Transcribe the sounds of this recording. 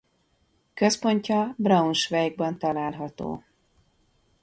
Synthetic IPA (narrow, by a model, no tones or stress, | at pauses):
kø̞spo̞ɲcɒbrɒunʃvɛjɡ̚bɒnt̪ɒlaːlɦɒt̪o̰ː